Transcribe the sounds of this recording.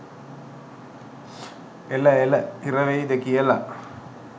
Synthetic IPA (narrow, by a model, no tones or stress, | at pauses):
elɐelɐkirɐʋejid̪ekijɐlɐ